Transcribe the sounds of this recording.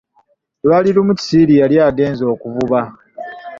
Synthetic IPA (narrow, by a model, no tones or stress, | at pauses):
lwalilumuci̥silijaljaːɡe̞ːnzo̞ːkuvuβa